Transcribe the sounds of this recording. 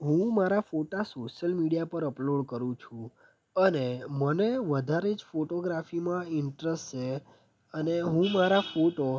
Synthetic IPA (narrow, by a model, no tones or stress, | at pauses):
ɦũmaɾafoʈasoʃəlmiɽijapəɾəploɽkəɾũt͡ʃʰũ | əneməneʋəd̪ʱaɾed͡ʒfoʈoɡɾafimãɪɳʈɾest͡ʃʰe | əneɦũmaɾafoʈo